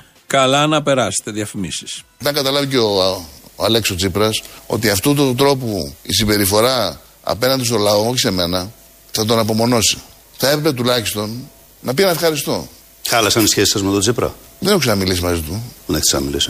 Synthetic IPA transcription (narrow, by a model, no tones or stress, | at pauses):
kɐlɐnɐpe̞ɾɐse̥t̪eðiɐfimisi̥st̪ɐŋɡɐt̪ɐlɐviceoɐle̞kso̞t͡sipɾɐso̞̰t̪iɐft̪ot̪ut̪ɾo̞puisibe̞ɾifo̞ɾɐ | ɐ̰pe̞nɐnd̪ist̪o̞lɐo̞oçise̞me̞nɐ | θɐt̪̬o̞nɐpo̞mo̞no̞si̥ | θɐepɾepe̞t̪ulɐçist̪o̞n | nɐpienɐfxɐɾist̪o̞̰ | xɐlɐsɐnisçesi̥sɐzmet̪ot͡sipɾɐ̰ | ðeneçusenɐmilisimɐzit̪uðenexisnɐ̰mḭlḭsi